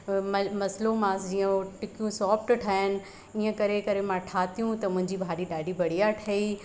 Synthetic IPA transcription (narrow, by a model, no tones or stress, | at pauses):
mɐmɐslomãːsd͡ʑiːə̃ʈɪkijũsɔːpʈʈʰaːɦənɪ̆ | iːə̃kɐɾekɐɾemãʈʰaːt̪ijũt̪ɐmʊ̃ɦɪ̃ɲd͡ʑibʱaːɗiɗaːɖibɐɽ̤ijaʈʰɐiː